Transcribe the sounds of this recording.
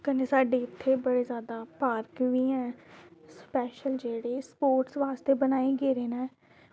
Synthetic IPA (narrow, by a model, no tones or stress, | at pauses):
kəneːsaːɖeːɪt̪ʰːeːbəɽeːzjaːd̪aːpaːɾkʋiːɛ̃ːspɛːʃəld͡ʒeːɽeːspoːɾʈsʋaːst̪eːbənaːeːɡeːɾeːnaɛ